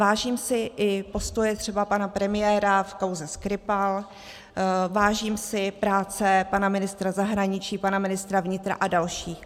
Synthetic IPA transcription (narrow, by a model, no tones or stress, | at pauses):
vaːʒiːmsɪʔɪpo̞st̪o̞jɛt̪r̥ɛbapanapɾɛmɪjɛːɾafkawzɛskɾɪpal | vaːʒiːmsɪpɾaːt͡sɛpanamɪnɪst̪ɾazaɦɾaɲɪt͡ʃiːpanamɪnɪst̪ɾavɲɪt̪ɾa̰ʔadalʃiː